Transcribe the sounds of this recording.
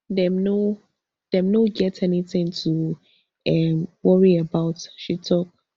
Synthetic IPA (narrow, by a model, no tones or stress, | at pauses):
dɛmno | d̥ɛmnoɡɛtʰɛniθɪ̃ŋtʰu | ɛmwɔɹiəbaʊtʃitʰɔk̚